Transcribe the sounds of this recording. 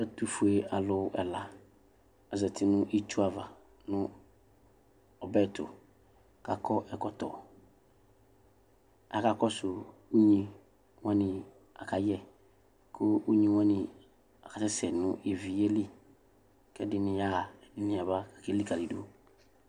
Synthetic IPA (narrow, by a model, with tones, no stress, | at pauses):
ɛ˦tu˨fu˨e˨a˨lʊ˨˦ʔɛ˨la˨ | ɛ˨zɛ˨tʰɪ˨nʊ̃˦ʔi˦t͡ʃu˦a˨va˨ | nʊ̃˦ | ɔ˨bɛ˦˨tʊ̰˨ | ka˨kʰɔ˦ʔɛ˨kɔ˨tɔ̰˨ | a̰˨ka˨kɔ˦sʊ˨u˦ɲĩ˨ | wã˦nɪ̃˨ | a̰˨ka˨jɛ˦ | kʰʊ˦u˦ɲĩ˨wã˦nɪ̃˨ | a˨ka˨tɛ˦sɛ˨nʊ̃˦e˨vi˨jɛ˦lɪ˦ | kɛ˦dɪ˦nɪ̃˨ja˦˨dɪ˦nɪ̃˨a˨ba˦ka˨kɛ˦li˦ka˨li˨do˦